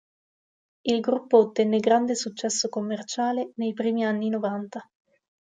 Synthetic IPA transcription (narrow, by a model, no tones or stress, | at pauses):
ilɡɾupːoːt̪ːɛnːeɡɾand̪esut͡ʃːɛsːokomːert͡ʃaːlenejpɾiːmianːinovant̪a